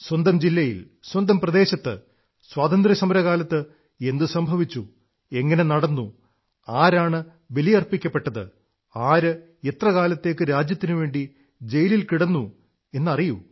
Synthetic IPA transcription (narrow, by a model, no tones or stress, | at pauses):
swɐnd̪ɐmd͡ʑilːɐjḭl | swɐnd̪ɐmprɐd̪e̞ːɕɐt̪ːɨ̰ | swaːt̪ɐnd̪rɐsɐmɐɾɐɣaːlɐt̪ːɨ | e̞nd̪ɨsɐmbʱɐʋit͡ɕːu | e̞ŋːɐne̞nɐɽɐnːu | aːɾaːɳɨ | ʋelijɐrpikʲːɐpːe̞ʈːɐðɨ̰ | aːɾɨ | e̞t̪rɐɣaːlɐt̪ːe̞ːkːɨɾaːd͡ʑjɐt̪ːinɨʋe̞ːɳɖi | d͡ʑe̞jililkiɽɐnːu | e̞nːɐriju